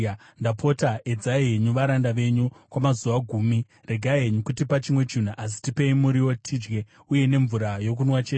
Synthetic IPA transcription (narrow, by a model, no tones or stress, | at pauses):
ndapʰo̞taʔe̞d͡zaɦeɲuʋaɾandaʋe̞ɲukwamazuʋaɡʱuːmi | reɡʱaiɦeɲukutipat͡ʃimwe̞t͡ʃun̤uʔas̬i̥tipe̞imuɾiwo̞tʰid͡ʒɡe̞ | uje̞ne̞ɱvuɾajo̞k̬unwat͡ʃeːte